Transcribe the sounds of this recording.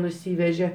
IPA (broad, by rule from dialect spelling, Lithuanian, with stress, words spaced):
nʊˈsʲiːʋʲɛʒʲɛ